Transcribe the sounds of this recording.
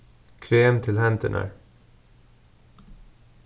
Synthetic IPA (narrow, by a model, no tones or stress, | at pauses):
kʰɾeːmt̪ʰɪlhænt̪ʰəɳʔə̰ɹ